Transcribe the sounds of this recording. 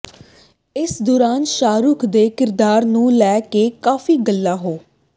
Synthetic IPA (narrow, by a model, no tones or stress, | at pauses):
ɪsd̪ʊːɾaːnʃaːɾʊkʰd̪eːkɪɾd̪aːɾnũːlɛːkeːkaːfiːɡəlːaːɦoː